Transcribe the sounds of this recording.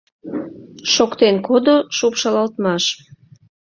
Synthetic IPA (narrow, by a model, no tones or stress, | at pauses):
ʃokt̪enkod̪oʃopʃɑlɑlt̪mɑʃ